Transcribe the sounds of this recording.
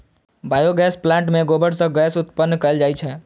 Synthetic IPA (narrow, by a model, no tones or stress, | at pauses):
baːjoɡɛːsplãɳʈmẽɡobəɽsə̃ɡɛːsʊt̪pənːkəəld͡ʒaːjt͡ʃʰɛ